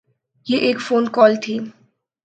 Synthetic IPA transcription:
jeʔeːkfoːnkɔːlt̪ʰi

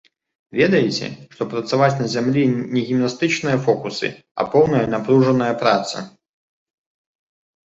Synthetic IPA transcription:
vʲɛd̪ɐjɪt͡sʲɛ̰ʂt̪ɔpɾɐt̪savat͡sʲnɐzʲamlʲinʲɛɣʲimnast̪ɨt͡ʂnɨjɐfɔkusɨ̰ | ɐ̰pɔwnɐjɐnapɾuʐɐnɐjɐpɾat̪sɐ̰

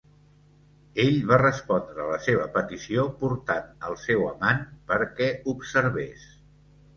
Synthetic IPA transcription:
eʎβarəspɔnd̪ɾəːləseβ̞əpət̪isiopuɾt̪anə̰lˠsɛwəmanpəɾkɛubsəɾβes

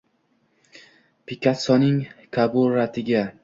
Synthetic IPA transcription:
pʰɪkʲʰat̪sɒnɪŋkʰabʊɾat̪ʰɪɡʲa

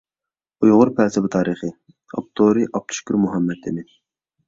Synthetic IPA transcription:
ujʁʊɾpʰɛːsɛbɨt̪ʰɑːɾiχɨ | ɑ̰p̚t̪ʰoɾɨʔɑp̚t̪ʰu̥ʃkʲyɾmuɦɑmːɛd̪ʰɪnɪ

